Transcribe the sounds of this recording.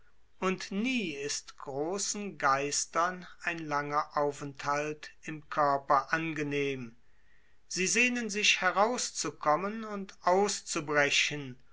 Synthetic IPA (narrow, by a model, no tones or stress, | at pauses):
ʔʊntniːɪstɡ̥ʁoːsn̩ɡaɪstɐnaɪnlaŋɐʔaʊfɛnthaltɪmkʰœɐpɐʔanɡəneːm | z̥iːzeːnənzɪʃhɛʁaʊst͡sukʰɔmənʊntʔaʊst͡subʁɛʃən